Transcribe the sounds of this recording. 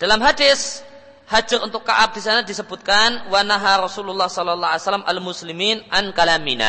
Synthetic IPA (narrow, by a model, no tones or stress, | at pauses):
d̥alamɦadɪs | had͡ʒʊɾunt̪ʊkːa̰ʔap̚d̥isanadisəbut̪̚kanwanaɦaɾɔsululːɑhsɔlɔlːɑɦasalamʔa̰lmusliminʔankalamina̰